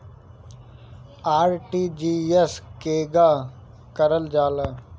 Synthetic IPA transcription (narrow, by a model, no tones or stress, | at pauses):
aːɾʈiːd͡ʒiːeskeːɡaː | kəɾəld͡ʒaːlaː